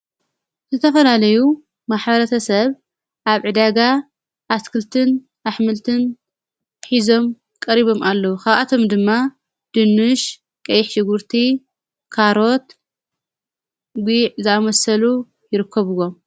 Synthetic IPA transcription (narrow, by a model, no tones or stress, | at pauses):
zɨt̪ʰɐfɐlalɐju | maħbɐɾɐt̪ʰɐsɐβ | ʔaβʕɨd̪aɡa | ʔːskʰɨlt̪ʰɨn | ʔaħmɨlt̪ʰɨn | ħizo̞m | kʼɐɾiβo̞mʔalːɐwukʰaβʔat̪ʰo̞md̪ɨmːa | d̪̥ɨnːɨʃ | kʼɐjɪħʃɨɡuɾt̪ʰi | kʰaɾo̞t̪ | ɡʷiʕzɨamɐsɐlu | jɪɾɨkʰːɐβɨwom